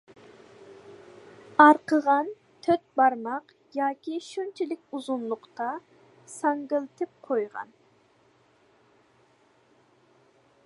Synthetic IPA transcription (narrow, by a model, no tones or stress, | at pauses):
ɑɾqʰəʁɑn | t̪ʰøt̪̚bɑɾmɑq | jɑːkʲiʃynt͡ʃʰilɪk̚ʲuzʊnlˠʊqt̪ɑ | sɑŋɡəlˠt̪ʰɨp̚qʰojʁɑ̰n